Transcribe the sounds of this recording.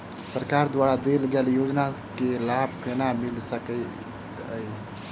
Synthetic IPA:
səɾkaɾd̪wʋaɾad̪elɡeljoːd͡ʒnakelab̚ʱkenamilsəkə | əi

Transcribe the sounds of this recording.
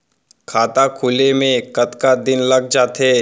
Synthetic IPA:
kʰaːt̪akʰʊlemẽkɐt̪kad̪ɪnlɐɡ̚d͡ʒaːt̪ɦe

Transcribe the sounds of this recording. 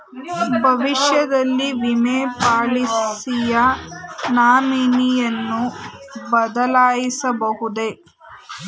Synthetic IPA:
bʱɐʋiʂjɐd̪ɐlːiʋimeːpaːɭisijɐnaːminijɐnːubɐd̪ɐlaːjisɐbɐɦud̪e̞

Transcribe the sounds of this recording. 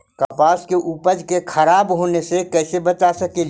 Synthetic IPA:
kaːpaːskeʔuːpəd͡ʒkekʰəɾaːbɦoːnesekɛːsebət͡ʃasəkel

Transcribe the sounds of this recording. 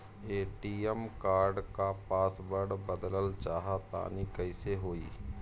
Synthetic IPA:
eːʈiːəmkaːɾɖkapaːsbəɽbəd̪ləlt͡ʃaːɦat̪a̰ːnikəɪseɦoːḭː

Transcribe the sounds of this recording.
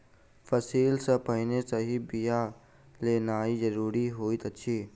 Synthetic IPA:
fʰəsiːlsepəɦɪnesəɦibija | leːnaːizəɾuːɾiɦoːit̪ətːʃʰiː

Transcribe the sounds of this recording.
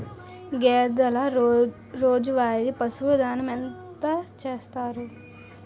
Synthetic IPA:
ɡɛːd̪ɐlɐ | ɾoːd͡ʒuʋaːɾipɐsuʋɐd̪aːnɐment̪ɐt͡ʃeːst̪aːɾu

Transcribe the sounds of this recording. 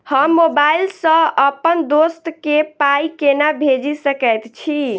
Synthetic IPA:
həmːobailsə̃əpənd̪ost̪kepajkenabʱed͡ʒisəkəjt̪t͡ʃʰi

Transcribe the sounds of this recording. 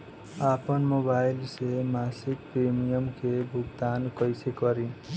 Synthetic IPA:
apənmobailsemasik̚pɾemijəmkebʱuɡt̪ankʌjsekʌɾi

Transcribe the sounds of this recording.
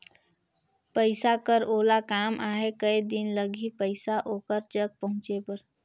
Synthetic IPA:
pəɪsakəɾoːlakaːmʔaːɦekəid̪ɪnləɡʱipəɪsaʔoːkəɾd͡ʒəɡ̚pəɦʊ̃t͡ʃepəɾ

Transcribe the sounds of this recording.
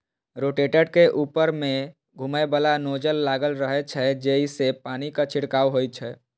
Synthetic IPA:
ɾoʈeʈəɽkeʔuːpəɾmẽ | ɡʱuməbəlanod͡ʒəlːaɡəlɾəɦɛt͡ʃʰɛd͡ʒeisepaːnikat͡ʃʰɪɽkaːwɦoj̪t͡ʃʰɛ

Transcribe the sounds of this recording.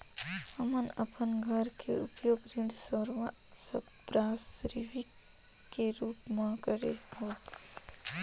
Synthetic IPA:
əmənəpənɡʱəɾkʰeʊpjoːɡɾiɖsəɾʋasəbɾaːsɾiʋikːeɾuːpmãkəɾḛɦoː

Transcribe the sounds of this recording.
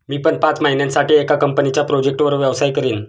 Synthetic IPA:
miːpəɳpat͡sməɦinjãnsaʈiːekakəmpənit͡ɕjapɾod͡ʑek̚ʈʋəɾʋjəʋsajkəɾiːn

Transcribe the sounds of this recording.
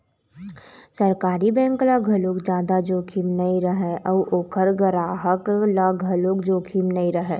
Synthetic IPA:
səɾkaːɾibɛ̃ːŋklaɡʱɐlokd͡ʒjaːd̪ad͡ʒoːkʰimnɐiɾɐɦeʔɔːʔoːkʰəɾɡəɾaːɦəklaɡʱɐlokd͡ʒoːkʰimnɐiɾɐɦɛː

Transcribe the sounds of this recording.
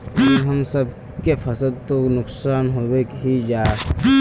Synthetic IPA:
oɦɐmsəb̚ | kefʰɐsəd̪̚t̪onʊksaːnɦoːwekɦid͡ʒaː

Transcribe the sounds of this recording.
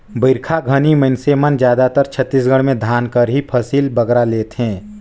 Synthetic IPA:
bəɪɾkʰaɡʱəniməɪnsemənd͡ʒjaːd̪at̪əɾt͡ʃʰət̪ːis̬ɡəɽ̃mẽd̪ʱaːnkəɾɦipʰəsiːlbəɡɾaleːt̪ɦɛ̃ː

